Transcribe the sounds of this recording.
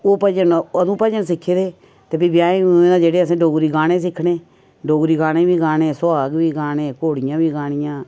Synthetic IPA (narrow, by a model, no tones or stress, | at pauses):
oːpəd͡ʒənəd̪ũːpəd͡ʒənsɪkʰːeːd̪eː | t̪eːpbiːbjaːẽːnãːd͡ʒeːɽeːəsẽːɖoːɡɾiːɡaːɽẽːsɪkʰɽeː | ɖoːɡɾiːɡaːɽẽːbiːɡaːɽẽːsʊaːɡʋiːɡaːnẽːkoːɽɪjãːbiːɡaːɽ̃ɪjãː